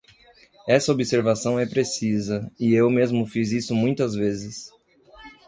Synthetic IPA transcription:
ɛsɐobiseɾvasɐ̃w̃ɛpɾesizɐɪewmezmʊfizisʊmũj̃t̪ɐzvezɪs

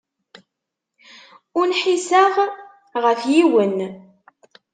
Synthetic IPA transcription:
ʊnħisaʁ | ʁəfjiwən

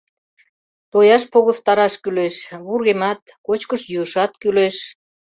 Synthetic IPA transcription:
t̪ojɑʃpoɣəθt̪ɑɾɑʃkyleʃβurɣemɑt̪̚ | kot͡ɕkəʃjuəʃɑt̪̚kyleʃ

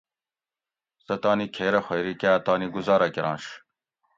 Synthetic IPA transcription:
sɐt̪ɑːnikʰeːɾɐxejɾikeɐt̪aːniɡuzɑːɾɐkiɾɑ̰̃ːnɕ

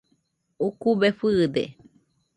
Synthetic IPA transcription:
ukubefɨd̪ḛ

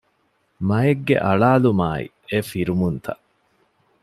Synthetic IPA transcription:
mɐeɡːḛʔɐɭaːlumaːḭ | efiɾumunt̪ʰɐ̰ʔ

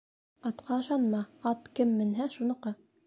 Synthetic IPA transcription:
ɑt̪qɑɤ̆ʃɑnmɑɑt̪kɘmːɘ̆nɦæʃunɤ̆qɤ

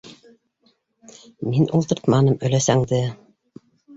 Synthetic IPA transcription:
minʔulˠt̪ɤ̆ɾt̪mɑnɤmɵ̆læsæŋd̪ɘ

